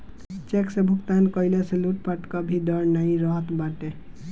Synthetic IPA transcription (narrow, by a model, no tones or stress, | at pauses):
t͡ʃeksebʱukt̪ankʌjleseluʈpaʈkɔbʱid̪ʌɾnaĩɾʌɦʌt̪baʈe